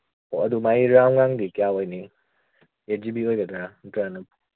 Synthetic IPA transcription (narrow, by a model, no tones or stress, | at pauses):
oɐdumajiɾawŋaŋdikijawajni | ed͡ʒibiojɡɐdɾantɾanɐp̚